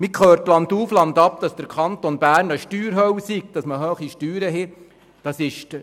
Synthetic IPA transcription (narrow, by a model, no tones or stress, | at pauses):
mikχøːɾt̪lɑnd̪uːflɑnd̪ɑp̚d̥̪ɑsd̥̪əɾkʰɑnt̪onb̥æːɾnəʃtyːɾɦœwsik̚d̥ɑsməɦøːχiʃtyːɾəɦɛ | d̥ɑsɪʃ